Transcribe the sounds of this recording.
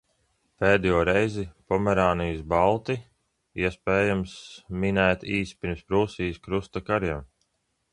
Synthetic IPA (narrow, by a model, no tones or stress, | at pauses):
pɛːd̪ɛjuːɾɛjzipɔmɛɾaːnijsbalˠt̪i | iɛspɛːjamsminæːt̪iːspʲiɾmspɾuːsiːskɾust̪akaɾjɛm